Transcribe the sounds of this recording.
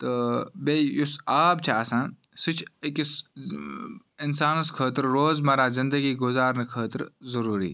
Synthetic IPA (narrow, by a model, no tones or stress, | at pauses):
t̪əbeːjʊsaːbt͡ʃʰaːsãːn | sɪt͡ʃʰekis | ɪnsaːnskʰəːt̪ɾɾoːzmɐɾaːzɪnd̪əɡiɡʊzaːɾnəkʰəːt̪ɾzɐɾuːɾḭː